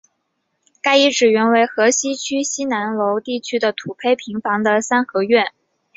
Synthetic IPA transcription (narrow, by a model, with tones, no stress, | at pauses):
ka˥˩ɪi˥˩ʈ͡ʂɻ̩˨˩ɥɛ˧˥nwe˧˥ɪxɤ˧˥ɕi˥t͡ɕʰy˥ɕi˥na˧˥nlo˧˥ʊt̪i˥˩t͡ɕʰy˥d̪ə˨t̪ʰu˨˩pʰe˥˩ɪpʰi˧˥ŋfɑ˧˥ŋd̪ə˨sa˥nxɤ˧˥ɥɛ˥˩n